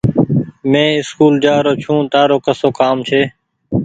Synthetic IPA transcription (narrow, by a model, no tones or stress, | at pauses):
mẽːɪskuːld͡ʒaːɾoːt͡ʃʰũːt̪aːɾoːkəsoːkaːmt͡ʃʰeː